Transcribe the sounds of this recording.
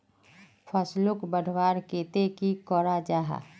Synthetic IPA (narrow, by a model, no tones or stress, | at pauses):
pʰəslʊkbəɖʱwaːɾkeːt̪ekikɔɾad͡ʒaːɦa̰